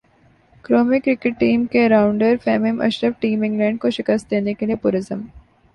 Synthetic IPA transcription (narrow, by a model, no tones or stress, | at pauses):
kɾoːmɪkɾɪkɪʈːiːmkeɾawʊɳɖəɾfɛːmemʔə̰ʃɾəʋʈiːmɪ̃ŋɡlɛ̃ɳɖkoʃɪkəst̪̚d̪eːnekeliepuɾɪzəm